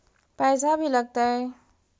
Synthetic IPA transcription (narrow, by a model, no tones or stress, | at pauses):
pɛːsabʱiləɡ̚t̪aɦɛ